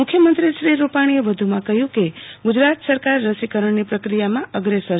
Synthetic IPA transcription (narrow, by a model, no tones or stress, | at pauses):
ukʰjəmənt̪ɾiʃɾiɾupaɽ̃ieʋəd̪ʱumãkəɦjũkeɡud͡ʒɾat̪səɾkaɾːəsikəɾəɳnipɾəkɾijamãəɡɾesəɾ